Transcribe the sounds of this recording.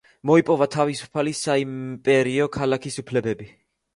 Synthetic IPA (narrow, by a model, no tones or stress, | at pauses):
mɔipʼɔvat̪ʰavisu̥pʰalisaimpʼɛɾiɔkʰalakʰisupʰlɛbɛbi